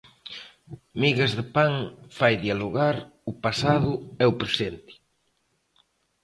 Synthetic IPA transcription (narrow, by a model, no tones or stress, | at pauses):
miɣazðɪpaŋfajðialoɣaɾʊpasaðʊɛʊpɾesent̪ɪ̥